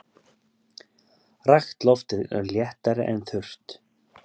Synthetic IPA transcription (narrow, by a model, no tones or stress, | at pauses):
raxt̪lɔft̪ɪðœ̰ɾljɛht̪aɾɪʔɛnθʏr̥t̪